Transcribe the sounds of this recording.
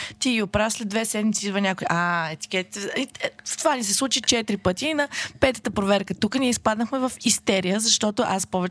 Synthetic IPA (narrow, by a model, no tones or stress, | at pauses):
t̪iɡiopɾaslɛd̪vɛsɛd̪mit̪siid̪vɐnʲakʊiʔaɛt̪i̥kʲɛt̪i̥t̪ɛist̪ovanisɛslˠut͡ʃit͡ʃɛt̪iɾipɤt̪iːnɐpɛt̪ə̥t̪əpɾovɛɾkət̪ukəniɛispad̪nəxmɛvɐfist̪ɛɾijəzɐʃt̪ɔt̪oʔaspɔvɛ